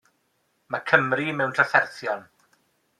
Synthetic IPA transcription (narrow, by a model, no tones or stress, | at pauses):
makʰəmrimɛwntʰraθɛrθjɔn